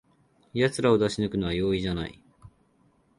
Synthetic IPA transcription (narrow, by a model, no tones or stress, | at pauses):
jat͡sɨɾao̞d̪aɕinɯkɯ̟no̞βajo̞ːiʑana̰ḭ